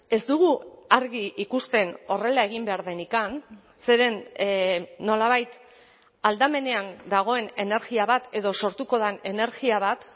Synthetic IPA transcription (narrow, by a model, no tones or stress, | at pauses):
e̞zd̪uɣuaɾɣiʔikust̪e̞no̞re̞lae̞ɣimbe̞aɾðe̞nikan | se̞ɾe̞nː | o̞laβ̞ajt̪ | ald̪ame̞ne̞and̪aɣ̞o̞e̞ne̞ne̞ɾɣiaβat̪e̞ðo̞so̞ɾt̪uko̞ðanene̞ɾɣiaβ̞at̪